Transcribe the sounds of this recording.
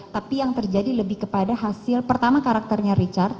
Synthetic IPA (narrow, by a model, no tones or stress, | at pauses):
t̪apijaŋt̪ərd͡ʒadiləbɪhkəpadaɦasɪlpərt̪amakaɾak̚t̪ərɲaɾit͡ʃart̪̚